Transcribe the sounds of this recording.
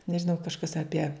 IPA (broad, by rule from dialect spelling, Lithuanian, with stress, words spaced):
nʲɛʒʲɪˈnɐʊ kɐʃˈkɐs ɐˈpʲiɛ